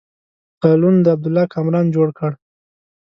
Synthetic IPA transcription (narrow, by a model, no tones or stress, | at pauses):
qɑlund̪əab̚d̪ʊlːɑkʰamɾɑnd͡ʒoɽkəɽ